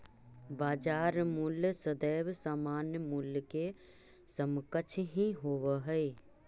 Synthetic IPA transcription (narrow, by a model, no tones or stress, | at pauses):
baːd͡ʒaːɾmulsəd̪eːʋsaːmaːnjmulke | səmkət͡ʃʰɦĩɦoːwəɦəe